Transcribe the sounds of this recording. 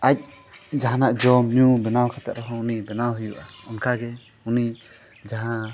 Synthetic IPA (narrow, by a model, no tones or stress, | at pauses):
ac̚ | d͡ʒaɦanaʔd͡ʒɔmɲubɛnawkʰat̪ɛ̰ʔɾɔɦɔ̃unibɛnawɦujuʔaɔnkʰaɡɛ | uni | d͡ʒaɦã